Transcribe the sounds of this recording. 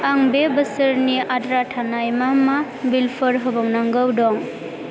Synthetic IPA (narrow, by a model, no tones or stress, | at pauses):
aŋbebəsɯɾniadɾatʰanajmama | bilpʰɯɾɦɯbɔŋnaŋɡɯwdɔŋ